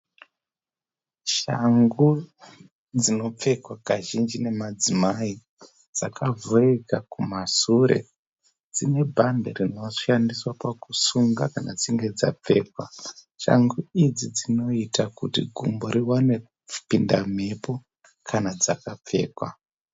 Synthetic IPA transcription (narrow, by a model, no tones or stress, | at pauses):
ʃaŋɡu | d͡zino̞p͡fe̞kwakaʒind͡ʒine̞mad͡zimai | d͡zakavoekakumasuɾe̞̰ | d͡zine̞bʱanderino̞ʃandiswapakusuŋɡakanad͡ziŋɡe̞d͡za̰p͡fe̞ːkwa | ʃa̰ŋɡuid͡zid͡zino̞itakutḭɡʱumboɾiwane̥ | pindam̤e̞po̞ | kʰanad͡zakap͡fe̞̰ːkwa̰